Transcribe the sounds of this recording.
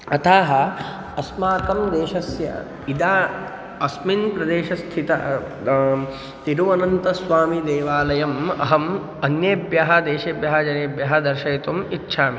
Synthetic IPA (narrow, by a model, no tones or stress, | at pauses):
ɐt̪ʰaːɦɐ | ɐsmaːkɐmd̪eːʃɐsjɐ̰ | id̪aː | ɐsminpɾɐd̪eːʃɐst̪ʰit̪ɐ̰ | t̪iɾuɐnɐnt̪ɐsʋaːmid̪eːʋaːlɐjɐmɐ̰ɦɐm | ɐnjeːbjɐɦɐd̪eːʃeːbjɐɦɐd͡ʒɐneːbjɐɦɐd̪ɐɾʃɐit̪umitːʃʰaːmi